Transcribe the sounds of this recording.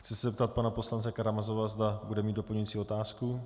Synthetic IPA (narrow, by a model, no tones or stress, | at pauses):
xt͡sɪsɛzɛp̚t̪at̪̚panapo̞slant͡sɛkaɾamazovazd̪abudɛmiːd̪do̞pl̩ɲuit͡siːo̞t̪aːsku